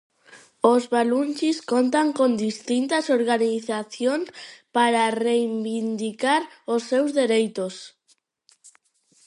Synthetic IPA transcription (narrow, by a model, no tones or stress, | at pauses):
ozβalunʲt͡ʃiskont̪aŋkond̪ist̪int̪asoɾɣaniθaθjoŋspaɾarejbind̪ikaɾosːewzðeɾejt̪os